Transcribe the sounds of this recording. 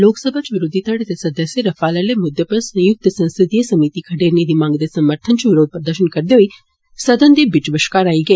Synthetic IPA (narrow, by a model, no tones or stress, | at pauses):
loːksəbʱat͡ʃʋɪɾʊd̪ʱit̪əɽet̪esɐd̪əsjeɾɐfaləlemʊd̪jəpəɾsə̃jʊk̚t̪əsɐ̃nst̪ɾɪt̪ijesɐmit̪ikʰɐʈeɾnid̪imãŋɡəd̪esɐməɾt̪ʰənt͡ʃʰuʋɪɾoːd̪̚pɾəd̪əʃənkəɾd̪joi | səd̪ənd̪ebɪt͡ʃʋəʃkaɾaːiɡɐe